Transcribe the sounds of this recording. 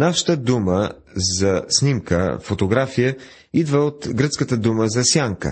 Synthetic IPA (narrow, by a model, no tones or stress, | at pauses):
nafʃə̥t̪əd̪umə | zɐsnimkə̰fot̪oɡɾafijə | id̪vəot̪ɡɾət̪skət̪əd̪uməzɐsʲjaŋkə̰